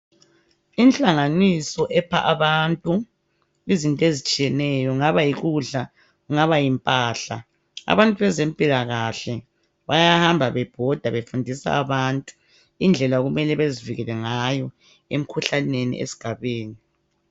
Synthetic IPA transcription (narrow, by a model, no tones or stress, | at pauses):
int͡ɬʼaŋanisɔʔɛpʰa̰ʔaβantʼu | izintʼɔezit͡ʃʼijɛnɛjɔŋaβajiɣuɮa | uŋaβajimpʼaːɬa | a̰βantʼuβɛzempʼilaɣaɬɛ | βajahambʱaβɛb̥ʱɔd̥ʱaβefundʱisa̰aβantʼu̥ | ind͡ɮʱɛlaɣumɛlɛβeziviɣɛlɛŋajɔ | em̩kʰuɬanenḭʔḛsi̥ɡ̥ʱaβeːni